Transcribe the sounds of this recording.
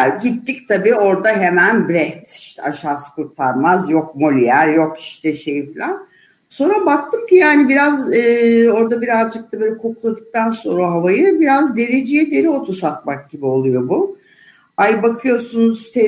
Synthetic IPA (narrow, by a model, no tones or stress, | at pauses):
ɟit̪ʰːic̚t̪ʰabiːo̞ɾd̪aɦe̞mænbɾɛt̪iʃt̪ʰɛaʃaːskʰuɾt̪ʰaɾmazjo̞k̚mo̞lʲijæɾjo̞ki̥ʃt̪ʰɛʃe̞jifilʲan | so̞nɾabak̚t̪ʰɯmcijaːnibiɾazɯːo̞ɾd̪abiɾazd͡ʒɯk̚t̪ʰabøːlʲɛkʰo̞kulˠad̪ɯk̚t̪ʰanso̞nɾaɦavajɯbiɾazd̪e̞ɾed͡ʒijɛd̪e̞ɾio̞t̪ʰusat̪̚mak̚ɟibio̞lˠujo̞bu | ajbakʰɯjo̞sunuz̥t̪ʰe